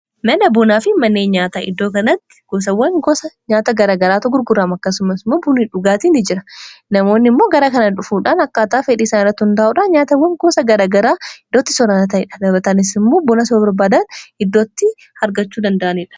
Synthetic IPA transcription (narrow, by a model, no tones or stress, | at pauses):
mɐnɐbʊnaːfɪmɐnːeːnɲaːt̪aːʔɪd̪ːo̞ːkɐnɐt̪ːɪ̥ɡ̥ɔs̬ɐwːɐŋɡɔsɐɲaːt̪ɐɡɐɾaːɡɐɾaːt̪ʊɡʊɾɡʊraːmɐkːɐsʊmɐsmoːbʊniᶑʊɡaːt̪iːnɪd͡ʒɪɾɐnɐmo̞ːnːɪmːoːɡɐɾakɐnɐᶑʊfuːᶑaːnɐkːaːt̪aːfɛᶑiːsɐnɪrɐt̪ːʊnd̪aːʔuːᶑaːɲaːt̪ɐwːɐŋɡɔsɐɡɐɾaːɡɐɾaːɪd̪ːoːt̪ːɪ̥sɔɾanɐt̪ɐɪᶑɐ̥ᶑɐbɐt̪ɐnɪsɪmːo̞ːbɔnɐs̬obɐɾbaːd̪ɐnɪd̪ːoːt̪ːɪ | hɐɾɡɐt͡ʃːuːd̪ɐnd̪ɐʔɐnɪᶑɐ̥